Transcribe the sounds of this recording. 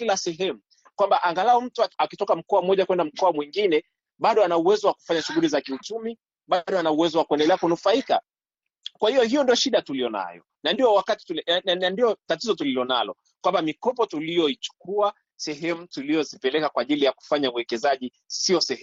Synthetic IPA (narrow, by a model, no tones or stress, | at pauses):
kilasɛɦɛmu | kwambaʔaŋɡalaɔm̩tuakitɔkam̩kɔamɔʄakwɛndam̩kɔamwiŋɡinɛ | ɓaɗɔanauwɛzɔwaku̥faɲaʃuɣulizakiut͡ʃumi | ɓaɗɔanauwɛzɔwakuɛndɛlɛakunufaika̰ | kwahiɔhijɔndiɔʃiɗatulijɔna̰jɔ̰ | nandiɔwakati̥tulandiɔtatizɔtulilɔnalɔ̰ | kwambamikɔpɔtulijɔit͡ʃu̥kua | sɛɦɛmutuliɔzipɛlɛkakwaʄilijaku̥faɲauwɛkɛzaʄi | siɔsɛhɛ